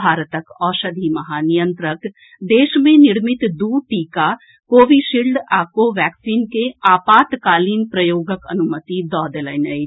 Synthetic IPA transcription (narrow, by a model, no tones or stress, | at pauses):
aːɾət̪əkɔːʃɐd̪ʱimɐɦaːnijə̃nt̪ɾək | d̪eːʃmẽnɪɽmɪt̪d̪uːʈiːka | koːʋiʃilɖaːkoʋɛːksiːnkeaːpaːt̪kaːliːnpɾɐjoːɡəkɐnʊmət̪id̪ɔːd̪elənəj